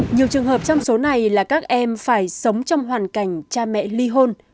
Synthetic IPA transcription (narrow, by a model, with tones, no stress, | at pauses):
ɲi˨˩əwt͡ɕɨ˨˩əŋɦəː˨˩p̚t͡ɕɔ˧wŋ͡mso˨˦na˨˩jlaː˨˩kaː˦˥k̚ʔɛ˧mfaː˧˩jsə˨˦wŋ͡mt͡ɕɔ˧wŋ͡mɦwaː˨˩nka˧˩jŋ̟t͡ɕaː˧mɛ̰˧˨li˧ɦo˧n